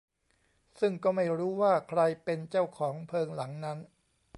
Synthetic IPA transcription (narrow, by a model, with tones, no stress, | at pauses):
sɯ˥˩ŋkɔː˥˩ma˥˩jɾuː˦˥waː˥˩kʰɾa˧jpe˧nt͡ɕa˥˩wkʰɔː˩˦ŋpʰɤː˧ŋla˩˦ŋna˦˥n